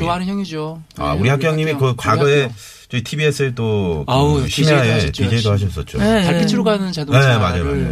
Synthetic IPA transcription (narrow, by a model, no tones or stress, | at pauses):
jŋid͡ʑoa̰uɾiɦak͈jʌŋɲimikɯkwaɡʌe | t͡ɕ͈oitʰibiesʰɯɭt͈oɯɕʰimiaepid͡ʑeidohaɕ̬ʰʌs͈ʌt̚t͡ɕ͈oakʰit͡ɕʰɯɾoɡanɯnt͡ɕednemad͡ʑajoma̰d͡ʑa̰j